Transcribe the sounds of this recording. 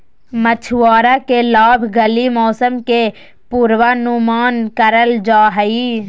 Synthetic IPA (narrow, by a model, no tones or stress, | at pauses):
mət͡ʃʰʊaːɾakelaːbʱɡəlimɔːsəmke | puːɾwanumaːnkəɾəld͡ʒaːɦəiː